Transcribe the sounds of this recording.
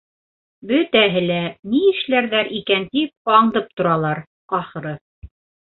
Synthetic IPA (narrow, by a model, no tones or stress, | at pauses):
bɵt̪æɦɘlæniɘ̆ʃlæɾðæɾʔikænt̪ip̚ɑɴd̪ɤp̚t̪ŏɾɑlˠɑɾ | ɑχɤ̆ɾɤ